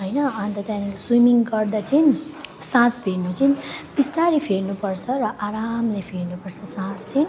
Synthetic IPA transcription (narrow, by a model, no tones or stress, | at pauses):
ɦʌjnʌːnt̪ʌt̪anilswimiŋɡʌrd̪at͡sin | sãspʰeɾnut͡sinbist̪aɾipʰeɾnupʌrt͡sʰʌrʌʔaɾamlajpʰeɾnupʌrt͡sʰʌsãst͡sʌn